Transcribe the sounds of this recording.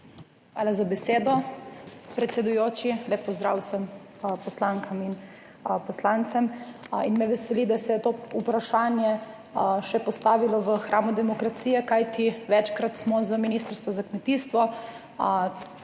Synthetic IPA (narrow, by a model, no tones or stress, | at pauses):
xʋaːlazabɛseːd̪ɔ | pɾɛt̪sɛd̪ujoːt͡ʃileːpːɔzd̪ɾaːwsəm | pɔslaːŋkamin | pɔslant̪sɛminmɛʋɛsɛlid̪asɛjɛt̪oupɾaʃaːnjɛ | ʃɛpɔst̪aːʋilɔʋəxɾʔaːmud̪ɛmɔkɾat̪siːjɛkajt̪iʋɛt͡ʃkɾat̪smɔzaminiːst̪əɾst̪ʋɔzakmɛt̪iːst̪ʋɔ